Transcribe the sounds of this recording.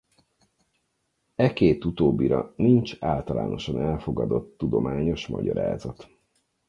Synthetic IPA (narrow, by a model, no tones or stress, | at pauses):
ɛkeːt̪ut̪oːbːiɾɒnint͡ʃaːlt̪ɒla̰ːnʔo̞ʃɒnɛlfo̞ɡɒd̪o̞t̪ːud̪omaːɲo̞ʃmɒ̰ɟɒɾa̰ːzɒt̪